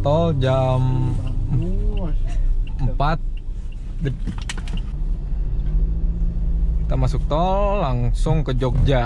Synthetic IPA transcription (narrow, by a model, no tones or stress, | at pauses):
t̪ɔld͡ʒam | əmpat̪̚ | d | t̪amasʊk̚t̪ɔlːaŋsʊŋkəd͡ʒok̚d͡ʒa